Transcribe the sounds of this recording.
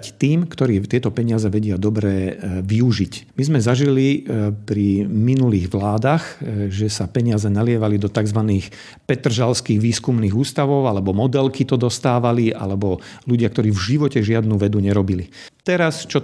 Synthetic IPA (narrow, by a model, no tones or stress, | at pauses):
t̪iːmkt̪ɔɾiːt̪ɪɛt̪ɔpɛɲɪazɛʋɛɟɪad̪ɔbɾɛːʋiuʒicmizmɛzaʒilipɾiminuliːɣʋlaːd̪axʒɛsapɛɲɪazɛnalɪɛʋalid̪ɔt̪aɡzʋaniːx | pɛt̪r̩ʒalskiːɣʋiːskumniːɣuːst̪aʋɔʊalɛbɔmɔd̪ɛlkit̪ɔd̪ɔst̪aːʋaliʔa̰lɛbɔluɟɪakt̪ɔɾiːvʒiʋɔcɛʒɪad̪nuʋɛd̪uɲɛɾɔbilit̪ɛɾast͡ʃɔ